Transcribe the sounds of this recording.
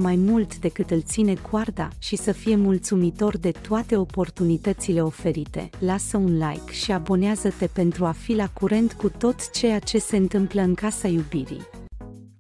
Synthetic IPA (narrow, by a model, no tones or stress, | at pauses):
majmult̪d̪e̞kɨt̪ɨlt̪sine̞kward̪a̰ʃisəfije̞mult̪sumit̪o̞rd̪e̞t̪oat̪e̞o̞po̞rt̪unit̪ət̪sile̞o̞fe̞ɾit̪e̞̰lasəunlajkʃiabo̞neazət̪e̞pe̞nt̪ɾuafilakuɾe̞nt̪kut̪o̞t̪t͡ʃe̞jat͡ʃe̞se̞ɨnt̪ɨmpləɨŋkasajubiɾḭj